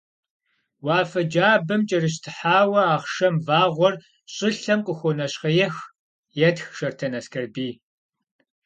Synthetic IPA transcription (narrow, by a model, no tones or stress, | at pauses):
waːfɐd͡ʒaːbɐmt͡ʃʼɐrɨɕ̬tʰɨħaːwɐaːχʃɐmvaːʁʷɔr | ɕʼɪɬɐmqʼəxʷɔnɐɕχɐjɛx | jɛtxʃɐrtʰɐnɐskʰɐrbiː